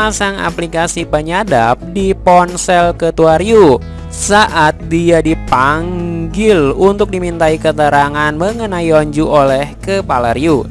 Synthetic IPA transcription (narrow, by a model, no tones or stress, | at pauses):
asaŋa̰plikasipəɲadap̚dipɔnsɛlkət̪uaɾiu | saʔat̪̚diadipaŋɡɪlunt̪ʊk̚dimint̪aikət̪əɾaŋanməŋənaioɲd͡ʒuʔolɛhkəpaləɾiu